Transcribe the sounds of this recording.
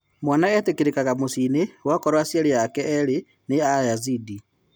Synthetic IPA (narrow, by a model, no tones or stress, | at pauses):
mwanaɛtekeɾekaɣamosinewakɔɾwasjaɾejakɛɛɾe | neajazidi